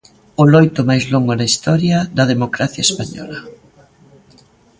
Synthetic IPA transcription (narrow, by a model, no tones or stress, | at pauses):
ʊlojt̪ʊmajzloŋɡʊnɐist̪ɔɾjɐd̪ɐðemokɾaθjɐespaɲɔ̰lɐ